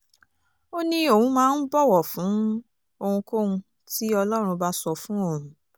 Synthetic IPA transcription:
o˦nĩ˦o˦˨wũ˨˦mãː˦n̩˦bɔ˦˨wɔ˨fũ˨˦ | o˧hũ˧ko˦ũ˧ | ti˦ɔ˧lɔ˦ɾ̃ũ˧ba˦sɔ˧fũ˨˦o˦˨ɾũ˨

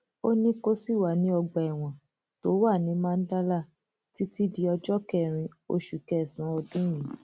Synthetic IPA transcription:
o˦nĩ˦ko˦si˦˨wa˨nĩ˨˦ɔ˧ɡ͡ba˨ɛ˨w̃ɔ̃˨ | to˨˦wa˦˨nĩ˨˦mãː˦˧n̩˦da˦la˦˨ | ti˦ti˦di˧ɔ˧d͡ʒɔ˦kɛ˦˨ɾ̃ĩ˧o̰˧˦ʃu˨kɛ˦˨sã˨˦ɔ˧dũ˦j̃ĩ˨˦

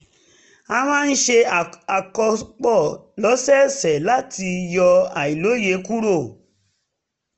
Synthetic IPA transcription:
a˧mã˦˧n̩˦ʃe˧˨a˨kɔ˧k͡pɔ˦˨lɔ˨˦sɛ˦sɛ˨la˦tʰi˧jɔ˧a̰˨i˨lo˨˦je˨˦ku˦ɾo˦˨

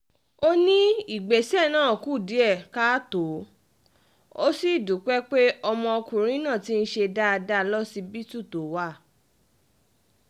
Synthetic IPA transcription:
o˦nĩ˦i˦˨ɡ͡be˨sɛ˦˨nãː˦˨ku˦˨di˨˦ɛ˦˨ka˦to˨˦ | o˦si˦˨du˨˦k͡pɛ˦k͡pe˦ɔ˧mɔ̃˧o˧kũ˨ɾ̃ĩ˦nãː˦˨ti˦n̩˦ʃe˧da˦a˧da˦lɔ˦si˧bi˦tu˦˨to˨˦wa˦˨

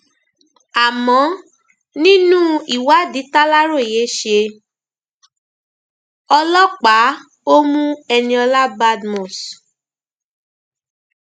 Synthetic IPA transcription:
a˨mɔ̃˨˦ | nĩ˦nũ˦i˨wa˦di˨˦ta˦la˦ɾo˦˨i˨je˨˦ʃe˧ | ɔ˧lɔ˦k͡pa˨˦ | o˦mũ˦ɛ˧nĩ˧ɔ˧la˦ba˦dmɔ̃˨s

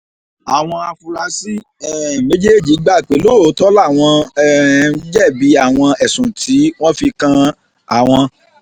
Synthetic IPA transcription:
a˨w̃ɔ̃˧a˧fu˧ɾa˧si˦ | ɛ˨mẽ˨˦d͡ʒe˦˨d͡ʒi˨˦ɡ͡ba˦˨k͡pe˨˦lo˦˨˦tɔ˦la˦˨w̃ɔ̃˧˨˦ | d͡ʒɛ˦˨bi˨˦a˦˨w̃ɔ̃˧ɛ˨sũ˨tʰi˨˦w̃ɔ̃˦fi˧kã˧ | a˨w̃ɔ̃˧

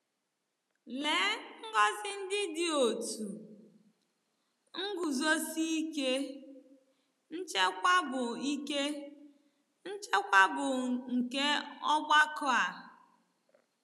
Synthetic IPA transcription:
le˨˦ŋ̩˦ɡɔ˦zɪ˦n̩˦dɪ˦dɪ˦o˨tu˨ | ŋ̩˦ɡu˨zo˦si˦i˦ke˦ | n̩˦t͡ʃe˦kʷa˦bʊ˨i˦ke˦ | n̩˦t͡ʃe˦kʷa˦bʊ˨ŋ̩˨ke˦ɔ˦ɡ͡ba˦kʊ˦a˨

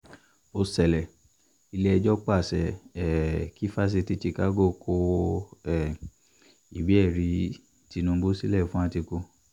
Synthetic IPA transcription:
o˧sɛ˨lɛ˨ | i˧le˦ɛ˧d͡ʒɔ˦k͡pa˦˨sɛ˨ɛ˨ki˦fa˦s̬e˧ti˧˦ti˧ka˦ɡo˦˨kʰo˧ɛ˨ | i˨bi˨˦ɛ˦˨ɾi˧˦ | ti˧nũ˧˦bo˦si˦lɛ˦˨fũ˦a˧ti˧ko˧

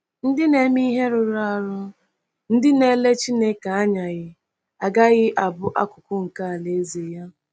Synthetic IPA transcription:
n̩˦dɪ˦ne˦mi˦ɦe˦ɾʊ˨ɾa˦˨ɾʊ˦ | n̩˦dɪ˦ne˦le˦t͡ʃi˦ne˦ka˨a˦ɲa˨ɣɪ˨ | a˨ɡa˦ɣɪ˦ʔa˨bʊ˦ʔa˦kʊ˨kʊ˦ŋ̩˨ka˦a˨le˨˦ze˨ja˦

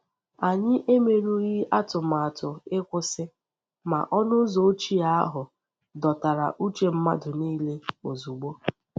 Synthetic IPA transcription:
a˨ɲɪ˦ʔe˦me˨ɾu˦ɾi˦a˦tʊ˨m̩˨a˨tʊ˨ɪ˦kʷʊ˦sɪ˦ | ma̰˨ʔɔ˦nʊ˦zɔ˨o˦t͡ʃi˦a˦a˦ɦʊ˨ | dɔ˨ta˨ɾa̰˨ʔu˦t͡ʃe˦m̩˦ma̰˦dʊ˨niː˦le˦o˨zu˨ɡ͡bo˦

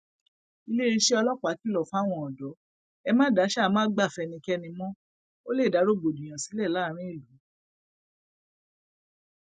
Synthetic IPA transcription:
i˧le˦˧ɾi˧ʃe˦ɔ˧lɔ˦k͡pa˨˦ki˦lɔ˨fa˦˨w̃ɔ̃˧ɔ˨dɔ˨˦ | ɛ˧mãː˦da˨˦ʃa˦˨˦mãː˦ɡ͡ba˦˨fɛ˧nĩ˧kɛ˦˧nĩ˧mɔ̃˦ | o˦le˦˨da˨˦ɾo˦˨ɡ͡bo˨du˨j̃ã˨si˨˦lɛ˦˨la˦ɾ̃ĩ˦e˦˨lu˨˦

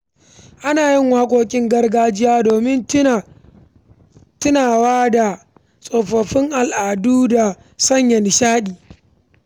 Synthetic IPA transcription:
ʔa˦naː˨jɪ˦˨ŋwaː˦kʷoː˦kʲʼɪ˦ŋɡɐ˦rɡaː˦d͡ʒɪ˦jaː˦doː˨mɪ˦n˦˨ | tɪ˦naː˨waː˦da˨ | sʼoː˨ɸɐ˨ɸɪ˦ŋʔa˨lʔaː˨duː˦da˨ | sɐ˦˨ɲjɐ˨n˨ʃaː˦ɗiː˨

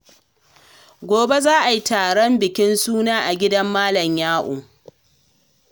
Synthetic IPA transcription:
ɡʷoː˨be˦zaː˦ʔa˨ji˦taː˨ɽɔ˦mbɪ˨kʲɪ˦nsuː˦naː˦ʔa˨ɡʲɪ˦dɐ˦mːaː˦lɐ˨ɲjaː˦ʔo̰ː˨

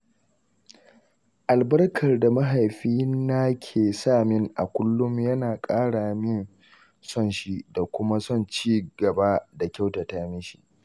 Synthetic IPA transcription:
ʔa˨lbɐ˦rkʰɐ˨rda˨mɐ˦ɦa˨jɸiː˦na˦kʲʰeː˨saː˦˨mɪ˦ŋʔa˨kʷʊ˦lːʊ˦mjɐ˦naː˨kʼaː˦ɽaː˨mɪ˦n | sɔ˦˨nʃi˦da˨kʷʊ˦ma˦sɔ˦˨nt͡ʃiː˦ɡɐ˨ba˦da˨kʲa˦wta˨taː˦mɪ˦ʃi̥˨ʔ

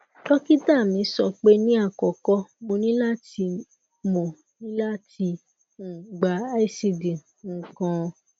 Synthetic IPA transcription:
tɔ˦ki˦ta˦˨mĩ˨˦sɔ˧k͡pe˦nĩ˦a˦˨kɔ˨kɔ˦mo˧nĩ˦la˦˨ti˧ | mo˨ | nĩ˦la˦ti˧ | n̩˨ɡ͡ba˨˦i˦˨si˧˨dĩ˨ | ŋ̩˨kã˧

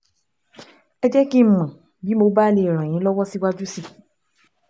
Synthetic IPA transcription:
ɛ˧d͡ʒɛ˦ki˦m̩˨mã˨ | bi˦mo˧ba˦le˧˨ɾ̃ã˨j̃ĩ˨˦lɔ˦wɔ˦si˦wa˦d͡ʒu˦si˦˨

